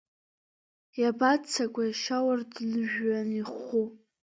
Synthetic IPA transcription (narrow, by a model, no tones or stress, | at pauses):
jabat͡sʰakʷʼajʃawardnɨʒᶣːaniχu